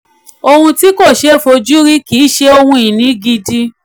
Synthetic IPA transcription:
o˧hũ˧ti˦ko˦˨ʃe˦˨fo˧d͡ʒu˦ɾi˦ki˨˦ʃe˦o˧hũ˧ĩ˨nĩ˨˦ɡi˧di˧

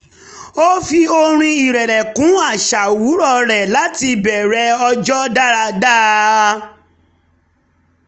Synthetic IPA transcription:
o˦fi˦o˧ɾ̃ĩ˧i˨ɾɛ˨ɾɛ˨kũ˨˦a˦˨ʃa˨wu˨˦ɾɔ˦ɾɛ˨la˨˦ti˧bɛ˨ɾɛ˧˦ɔ˧d͡ʒɔ˦da˦ɾa˧da˦

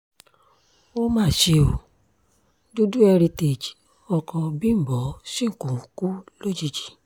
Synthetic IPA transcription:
o˦mãː˦˨ʃe˧o˨ | do˦du˦ɛ˧ɾi˧te˨d͡ʒi˨ | ɔ˧kɔ˧bĩ˦m̩˨bɔ˨˦sĩ˦ŋ̩˨kũ˨ku˦lo˦d͡ʒi˦˧d͡ʒi̥˨

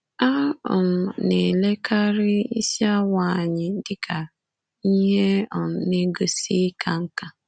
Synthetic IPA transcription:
a˦ɔ̰˨m̩˨ne˨le˦kʰa˦ɾɪ˦i˦si˦a˦wa˨ɲɪ˨˦dɪ˦kʰa˨ | i˦ɦe˦ɔ˨˦ne˦ɡo˦si˦kʰa˨ŋ̩˦ka˨

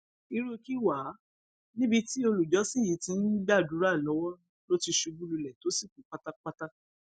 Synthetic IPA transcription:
i˧ɾu˦ki˦wa˨˦ | nĩ˦bi˧ti˦o˧lu˨d͡ʒɔ˨˦sĩ˦ji˨˧˦tĩ˧˦n̩˦ɡ͡ba˦˨du˨˦ɾa˦˨lɔ˨˦wɔ˦ | lo˦ti˧ʃu˨˧ɡũ˦lu˧lɛ˨to˨˦si˦˨ku˨˦k͡pa˦ta˦k͡pa˦ta˦

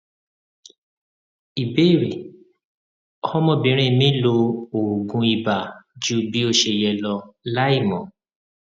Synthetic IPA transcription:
i˨be˦˨ɾe˨ | ɔ˦hɔ˦mɔ̃˧˨bĩ˨˦ɾ̃ẽ˦˨mĩ˦lo˧o˨ɡũ˧i˧ba˨d͡ʒu˦bi˦o˦˧ʃe˧˨jɛ˧lɔ˧la˦i˦˨mɔ̰̃˨

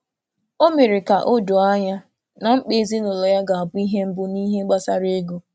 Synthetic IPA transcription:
o˦me˨ɾɪ˨ka˨ʔo˦do˨a˦ɲa˦ | na˨ŋ͡m̩˦k͡pe˦zi˦nʊ˨lɔ˨ja˦ɡa˨a˨bʊ˦i˦ɦe˦m̩˦bʊ˦ni˦ɦe˦ɡ͡ba˦sa˦ɾe˦ɡo˦

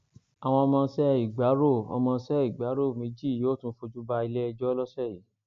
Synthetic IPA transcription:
a˨w̃ɔ̃˧ɔ˧mãː˧˦sɛ˦i˨ɡ͡ba˨˦ɾo˦˨ɔ̰˧mã˧˦sɛ˦˨i˨ɡ͡ba˨˦ɾo˦˨mĩ˨˦d͡ʒi˦˨joː˨˦˨tũ˦fo˧d͡ʒu˦ba˧i˧le˦ɛ˧d͡ʒɔ˦lɔ˦sɛ˦˨ji˨˦

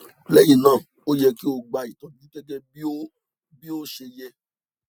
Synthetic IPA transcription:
lɛ˦jĩ˧˨nãː˦˨ | o˦jɛ˧ki˦o˧ɡ͡ba˨˧i˨tã˨nĩ˨˦ɡɛ˦ɡɛ˦bi˦o˦ | bi˦o˦ʃe˧jɛ˧

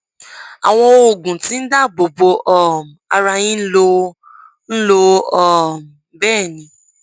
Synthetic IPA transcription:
a̰˨w̃ɔ̃˧o˧˨ɡũ˨tĩ˦n̩˦da˦˨bo˨bo˧ʔɔ˨m˨a˧ɾa˧jĩ˦n̩˦lo˧˦ | n̩˦lo˧ɔ˨m˨bɛː˦˨nĩ˧˦

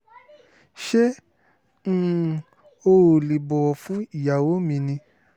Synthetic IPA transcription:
ʃẽ˦˨ | o˧o˨li˨bɔ˨wɔ˨fũ˦i˦˨ja˨wo˨˦mĩ˧nĩ˧

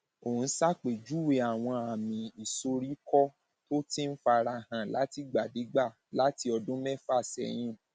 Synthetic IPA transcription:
o˨ũ˨˧˦sa˦˨k͡pe˨d͡ʒu˦we˧˦a˨w̃ɔ̃˧a˨mĩ˨i˨so˧ɾi˦kɔ˦ | to˦ti˦n̩˦fa˧ɾa˧hã˧la˨˦ti˦ɡ͡ba˨de˨˦ɡ͡ba˦˨ | la˨˦ti˧ɔ˧dũ˦mɛ˦fa˦˨sɛ̰˧j̃ĩ˧˨

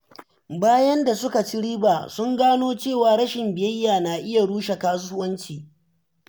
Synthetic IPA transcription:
baː˦jɐ˦nda˨sʊ˦ka˨t͡ʃi˦ɽiː˦baː˨sʊ˦ŋɡaː˦noː˦t͡ʃeː˦˨waː˨ɽɐ˦ʃɪ˨mbɪ˨jɐ˦jːaː˨naː˨ʔɪ˦ja˨ɽuː˦ʃe˨kaː˦s̬ʊ˦hʊ˦wɐ˦nt͡ʃiː˨

